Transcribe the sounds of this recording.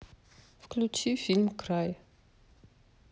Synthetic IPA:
fklʲut͡ɕifʲilʲmkɾaj

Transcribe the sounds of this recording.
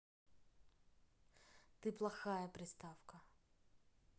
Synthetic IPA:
t̪ɪplˠɐxajɐpɾʲɪst̪awkɐ

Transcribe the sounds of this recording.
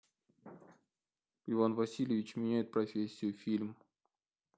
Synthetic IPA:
ɪvanvɐsʲilʲɪvʲɪt͡ɕmʲɪnʲæjɪt̪̚pɾɐfʲesʲːɪjʊfʲilʲm

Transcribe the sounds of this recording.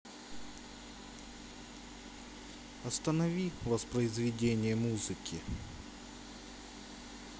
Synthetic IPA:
ɐst̪ənɐvʲivɐspɾəɪzvʲɪdʲenʲɪjəmuzɨkʲɪ

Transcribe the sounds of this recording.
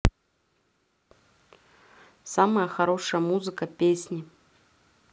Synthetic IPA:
saməjəxɐɾoʂəjəmuzɨkəpʲesʲnʲɪ

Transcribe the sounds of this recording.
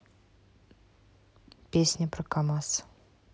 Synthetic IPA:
pʲesʲnʲəpɾəkamɑs

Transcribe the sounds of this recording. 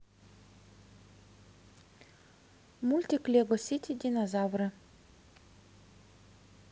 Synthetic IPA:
mulʲt̪ʲiklʲeɡosʲit̪ʲid̪ʲinozavrɨ

